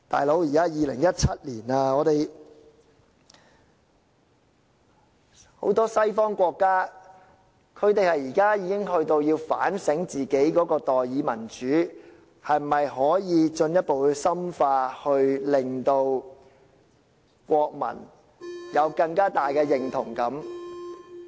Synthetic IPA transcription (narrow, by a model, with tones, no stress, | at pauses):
t̪a̰ː˨jlo˨˥wjiː˨kaː˥jiː˨˧lɪ̰˨˩ŋjɐ˥t̚t͡sʰɐ˥t̚liː˨˩naː˧ŋɔː˨˧t̪e˨j | ho̰˨˥wt̪ɔː˥sɐ˥jfɔː˥ŋkʷɔː˧kːaː˥ | kʰɵ˨˧ɥt̪e˨ŋhɐ˨jiː˨˩kaː˥jiː˨˧kɪ˥ŋɦɵ˧ɥt̪o˧wjiː˧wfa̰ː˨˥nsɪ˨˥ŋt͡siː˨ke˨˥jkɔː˨˥kɔː˧t̪ɔː˨jjiː˨˧mɐ˨˩nt͡ʃyː˨˥ | hɐ˨jm̩˨˩mɐ˨jɦɔː˨˥jiː˨˧t͡ʃɵ˧njɐ˥t̚po˨wsɐ˥mfaː˧hɵ˧ɥlɪ˨ŋt̪o˧w | kʷɔː˧k̚mɐ̰˨˩n | jɐ˨˧wkɐ˧ŋkaː˥t̪aː˨jkɛː˧jɪ˨ŋt̪ʰʊ˨˩ŋkɐ˨˥m